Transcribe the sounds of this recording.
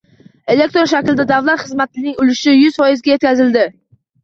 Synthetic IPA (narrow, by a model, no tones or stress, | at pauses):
e̞lek̚t̪ɾonʃakʲld̪ad̪avlat̪χɨzmat̪ɪnɪŋʊlɪʃɪjʊz̥fɒjɪzɡʲajekʲʰazɪld̪ɪ